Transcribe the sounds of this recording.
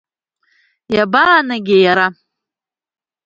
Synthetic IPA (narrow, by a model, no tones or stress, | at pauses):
jabanaɡʲɪjaɾa